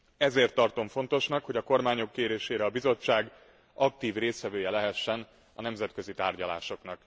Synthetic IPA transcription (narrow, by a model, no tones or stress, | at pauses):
ɛzeːrt̪ːɒrt̪o̞ɱfo̞nt̪o̞ʃnɒkho̞ɟɒko̞rmaːɲo̞kːeːɾeːʃeːɾɛɒbizo̞t͡ʃːaːɡ | ɒk̚t̪iːvreːst̪ʋɛvøːjɛlɛɦɛʃːɛn | ɒnɛmzɛt̪kø̞zit̪aːrɟɒla̰ːʃo̞knɒk